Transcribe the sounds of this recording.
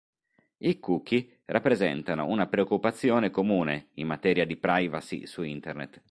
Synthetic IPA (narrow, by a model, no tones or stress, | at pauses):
ikuk̟ːi | rapːɾezɛ̰nt̪ano̰unapɾeokːupat̪sːjoːnekomuːneimmat̪ɛːɾjad̪ipɾajvasḭsuint̪ernḛt̪